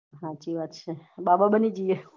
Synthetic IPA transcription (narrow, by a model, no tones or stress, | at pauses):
ɦãt͡ʃiʋat̪ʃʰebababənid͡ʒije